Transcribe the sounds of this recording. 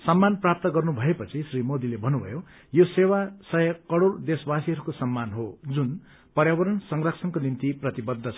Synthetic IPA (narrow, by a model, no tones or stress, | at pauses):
sʌmːanprap̚t̪ʌɡʌrnubʱʌepʌt͡sʰisrimod̪ilebʱʌnːubʱʌ̰jo | josewasʌjʌkʌɽoɽd̪esbasiɦʌɾukosʌmːanɦod͡zun | pʌrjawʌɾʌnsʌŋɡrʌksʰʌnkonint̪iprʌt̪ibʌd̪ʱːʌt͡sʰʌ